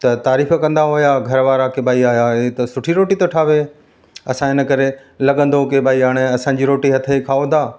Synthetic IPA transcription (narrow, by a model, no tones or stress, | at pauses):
t̪ɐt̪aːɾiːfkɐ̃nd̪aɦʊjaɡʱɐɾʋaːɾakeɓaːiaːjat̪ɐsʊʈʰiɾoːʈit̪oʈʰaːʋe | ɐsãɪnə̆kɐɾe | lɐɠə̃nd̪okeɓaːiaːɽ̃eɐsãːɲd͡ʑiɾoːʈiɦɐt̪ʰəikʰaːod̪aː